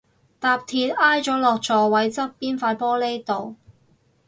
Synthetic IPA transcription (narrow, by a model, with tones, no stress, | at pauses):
t̪aː˧p̚t̪ʰiː˧t̚aː˥jt͡ʃɔː˨˥lɔː˨˩k̚t͡ʃɔː˨˩wɐ˨˥jt͡sɐ˥p̚piː˥nfaː˧tpɔː˥le˥jt̪o˨w